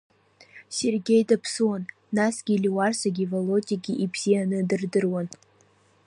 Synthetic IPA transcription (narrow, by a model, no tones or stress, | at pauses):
serɡʲe̞jdapʰsɨwanː | asɡʲilʲiwarsaɡʲivolotʲʼiɡʲiʔibz̥ianɨdɨrdɨrwan